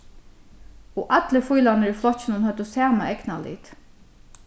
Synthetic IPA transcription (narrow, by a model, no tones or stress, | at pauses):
ɔʔat̪ləfʊjlanəɹiflɔht͡ɕːɪnʊnhœt̪ːʊsæːmaʔɛknalḭːt̪